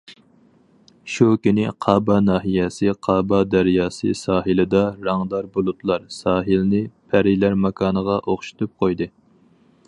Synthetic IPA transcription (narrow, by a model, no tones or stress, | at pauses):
ʃukʲynɪqʰɑːbɑnɑːɦijɛsɨqʰɑːbɑd̪æɾjɑːsɨ̰sɑːɦɨlɨd̪ɑɾɑŋd̪ˠɑɾbolˠut̪lˠɑɾsɑːɦɨlnɪpʰæɾilæɾmɑkʰɑːnəʁɑʔoχʃu̥t̪up̚qʰojd̪ɨ